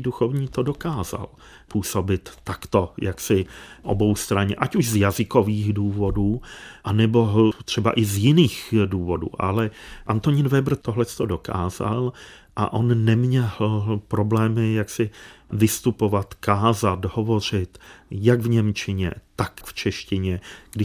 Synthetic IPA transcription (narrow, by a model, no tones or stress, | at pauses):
duxovɲiːt̪odo̞kaːza̰l | puːso̞bɪt̪ːakt̪o̞jaksɪʔo̰bo̞wst̪ɾaɲɛ̰ʔacuʃzjazɪkoviːɣduːvo̞duːʔanɛbo̞t̪r̝̥ɛba̰ʔɪzjɪniːxduːvo̞dṵːʔa̰lɛʔant̪oɲɪnvɛbr̩t̪oɦlɛst̪o̞do̞kʰa̰ːza̰l | ʔa̰ʔo̞nnɛmɲɛlpɾo̞blɛːmɪjaksɪvɪst̪upo̞vat̪kaːzat̪ɦo̞vo̞r̝ɪt̪jaɡvɲɛmt͡ʃɪɲɛ̰t̪akft͡ʃɛʃcɪɲɛɡ̥dɪ